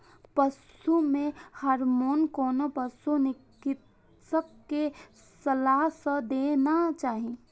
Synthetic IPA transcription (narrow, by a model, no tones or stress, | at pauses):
pəs | umẽhəɾmoːnkɔːnopəsunɪkɪt̪ | sək̚ke | səlaɦsəd̪eːnat͡ʃaːɦie